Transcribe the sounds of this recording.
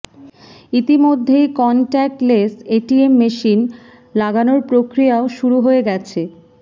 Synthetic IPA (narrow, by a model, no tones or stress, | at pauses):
it̪imod̪ʱːejkɔnʈɛk̚ʈleseʈiemːeʃin | laɡanoɾpɾokɾijaoʃuɾuɦoeɡɛt͡ɕʰe